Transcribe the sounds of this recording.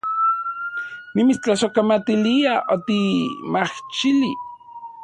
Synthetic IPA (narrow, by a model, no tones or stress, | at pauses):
nimit͡st͡ɬaʃokamat̪iliaʔot̪imaht͡ʃili